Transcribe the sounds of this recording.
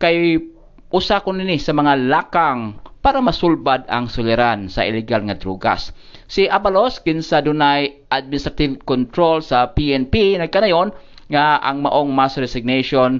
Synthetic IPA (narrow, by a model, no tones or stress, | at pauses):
kaj | ʔʊsakʊnɪnɪsɐmɐŋalaːkaŋpaːɾamɐsʊlbad̪a̰ŋsʊlɪɾansɐ̰ʔɪlɪɡalŋɐd̪ɾuːɡa̰sː | ɪʔabaloskɪnsad̪ʊnajʔad̪̚mɪnɪst̪ɾat̪ɪvkont̪ɾolsɐpiʔɛnpinɐɡ̚kanajon | ŋaʔa̰ŋmɐ̰ʔoŋmasɾɛsɪɡ̚neʃon